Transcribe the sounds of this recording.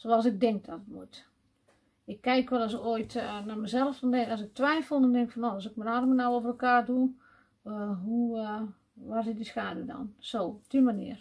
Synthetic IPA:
soɔlˠsɪk̚dɪŋk̚dɔtətmut | ɪkːɛjkʋɛlˠɔs̬kojtnamɛzɛlˠəfdɔndɛŋɔsɪk̚tʋɛjfəlˠndɔndɪŋkfɔnoɔsɪk̚mənarmənawoːvərəlˠkaːrdu | ɦu | ʋarsɪt̚disxaːdədɔ̰nsoːptimanḭər

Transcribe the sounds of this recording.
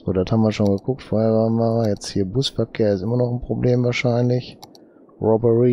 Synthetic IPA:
z̥o̰ːdɔthaːmviːɐʃoːnɡəkʰʊk̚tfoːheːɐvaːnvajɛt͡sthiːɐbusfɛɐkʰːɛːɐɪsɪmɐnɔχn̩pʁ̥obleːmvaːɐʃaɪnlɪç | ʁɔbəʁi

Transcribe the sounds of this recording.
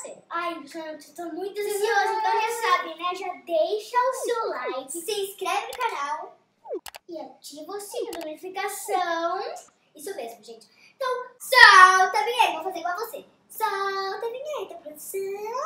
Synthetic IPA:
sḛajsãnɐ̃w̃t̪ot̪õmũj̃t̪ʊɐzisiozk̪ɐ̃asabẽj̃nɛʒad̪ejʃɐʊsewlajkɪseiskɾɛvɪnʊkanaw | ɪat͡ʃivosĩɐlonifikasɐ̃w̃ | isʊmezmʊʒẽt͡ʃɪ̥ | ẽt̪ɐ̃w̃sawt̪ɐbẽevowfazeɾiɡwawvose | sawt̪ɐbẽɲẽt̪ẽpɾod̪usɐ̃w

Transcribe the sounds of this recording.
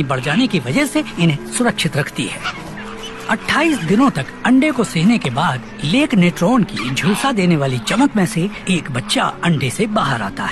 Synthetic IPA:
ibɐɽ̤d͡ʒaːnekiʋɐd͡ʒəɦseɪnɦẽsʊɾəkʃɪt̪ɾɐkʰt̪ḭɦɛ̰ː | ɐʈʰːaːiːsd̪ɪnõt̪ɐkɐ̃ɳɖekosɪɦnekebaːd̪ | leːkneːʈɾoːnkid͡ʒʱuːsad̪eːneʋaːlit͡ʃɐməkmẽseeːkbɐtːʃa̰ɐ̃ɳɖesebaːɦəɾa̰ːt̪a̰ɦɛː

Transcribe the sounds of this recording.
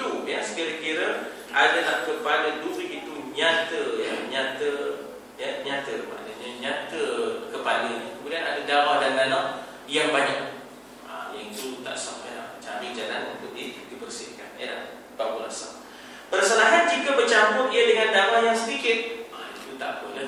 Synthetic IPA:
ujəsə̥kiɾəkiɾə | ʔadalahkəpaləduɾiʔit̪uɲat̪əjəɲat̪ə | jəɲat̪əɾəpa̰dəɲəɲat̪əkəpalənəkəmudianadədawahdandanaʔ | jaŋbaɲak̚ | a̰jait̪ut̪a̰ʔsaŋə̰la̰ht͡ʃabɪʔ̚d͡ʒalanunt̪ʊʔdikəbərsḭhka̰nə̰la̰h | baʔbuɾa̰sa̰w | pərsəlaɦand͡ʒikəbət͡ʃambʊt̪ijədəŋandawahjaŋsədikɪt̪̚ait̪ut̪a̰ʔpulə

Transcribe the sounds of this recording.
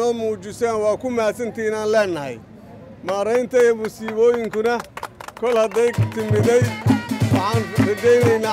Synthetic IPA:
ɔːmuːt͡ʃɪsaːnwɑːkʰʊmaːsɐnt̪ʰiːnaːnlɛːnːɐɦɐ̰j | maːɾɛjnt̪ʰɐiɔmusiːβɔːjɪŋkʰʊnɐkʰɔlhɐd̪ɛjt̪ʰɪmɪðɛjwɑħɑːnrɪd͡ʒɛjnɛjnaː

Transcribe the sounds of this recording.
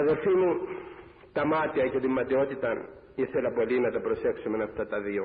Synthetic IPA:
ɐðe̞lfimu | t̪ɐmɐt̪iɐcet̪imːɐt̪io̞t̪it̪ɐn | iθe̞lɐpo̞linɐt̪ɐpɾo̞se̞ksumenɐft̪ɐt̪ɐðio

